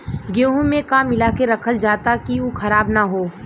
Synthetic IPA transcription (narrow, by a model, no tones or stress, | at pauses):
ɡjoːɦũmẽkaːmːɪlaːkeɾɐkʰəld͡ʒaːt̪akiukʰɐɾaːbnaɦoː